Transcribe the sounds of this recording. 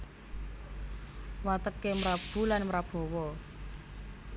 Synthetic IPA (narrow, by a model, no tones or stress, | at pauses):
wat̪əkːemɾab̥ṳlanmɾab̥ɔ̤wɔ